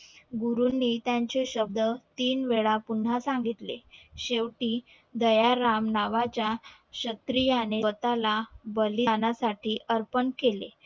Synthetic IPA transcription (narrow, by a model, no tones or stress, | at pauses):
ɡuɾunːiːt̪jaɲt͡ɕeɕəb̚d̪ət̪iːnʋeɭapun̤asãŋɡit̪lḛɕeʋʈiː | d̪əjaɾamnaʋat͡ɕja | ɕət̪ɾijaneət̪alabəlinasaʈʰiːʔəɾpənkelḛ